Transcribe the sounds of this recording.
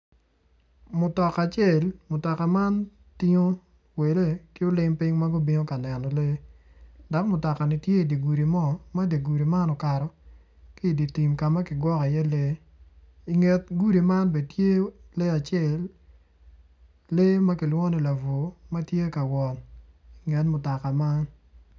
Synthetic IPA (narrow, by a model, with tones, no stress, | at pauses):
mʊ˨tɔ˨ka˨t͡ʃe˦˨lmʊ˨tɔ˨ka˨ma˦n | tɪ˦ŋo˦ | we˨le˦kɪ˦ʊ˦lɪ˦ŋpɪ˦ŋma˦ɡʊ˦bi˦ŋo˦ka˨nɛ˨nɔ˨le˦ | dɔ˨˦kmʊ˨tɔ˨ka˨nɪ˨tje˦i˨di˨ɡu˨ɾi˨mɔ˦ma˦di˨ɡu˨ɾi˨ma˦nɔ˨ka˨ɾɔ˨ | kɪ˦˨di˨ti˨mka˨ma˦kɪ˨ɡwɔ˦ka˨jɛ˦le˦ | i˨ŋe˨t̚ɡu˦ɾi˨ma˦nbe˨d̚tje˦le˦a˨t͡ʃe˦˨l | le˦ma˦kɪ˨lwɔ˦nɛ˨la˨vo˨ma˦tje˦ka˨wɔ˨n | i˨ŋɛ˨tmʊ˨tɔ˨ka˨ma˦n